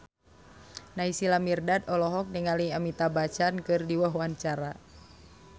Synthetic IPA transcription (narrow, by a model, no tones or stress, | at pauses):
naisilamirdadɔlɔɦɔk̚nəŋaliamit̪abat͡ʃankɨrdiwaɦwaɲt͡ʃaɾa